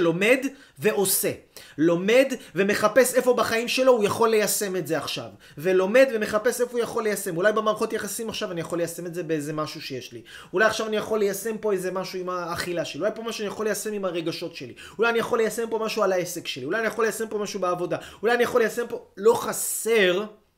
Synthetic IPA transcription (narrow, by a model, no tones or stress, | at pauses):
lo̞me̞d | ve̞ʔo̞se̞lo̞me̞dve̞me̞χape̞se̞fo̞baχaimʃe̞lo̞ujaχo̞lːejase̞me̞tzeaχʃa̰v | velo̞me̞d̪ve̞me̞χape̞se̞fo̞ujaχo̞lːe̞jase̞mulajbemaːʁɐχo̞tjaχasimaχʃavanijaχo̞lejasemetzebeeze̞maʃuʃejeʃli | ulajaχʃavanijaχo̞lːejase̞mpo̞eze̞maʃuimaːχilaʃeliulajpo̞maʃuanijaχo̞lːejase̞mimaʁe̞ɡaʃo̞tʃe̞li | ulajanijaχo̞lːejase̞mpo̞maʃualaese̞kʃeliulajanijaχo̞lːejase̞mpo̞maʃubeavo̞daulajanijaχo̞lejase̞mpo̞lo̞χaseʁ